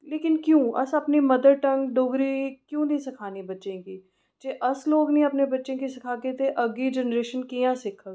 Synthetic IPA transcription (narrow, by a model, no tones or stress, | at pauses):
leːkɪnkjũːʔɐ̰sɐpnimɐd̪əɾʈɐ̃ŋɡɖoɡɾikjũːnɐɦĩsɪkʰaːnibɐtːʃẽkiː | d͡ʒeːʔɐsloːɡnɐĩɐpnebɐtːʃẽkisɪkʰaːket̪ʰeʔɐɡid͡ʒɛnɾeːʃənkijãsɪkʰːəl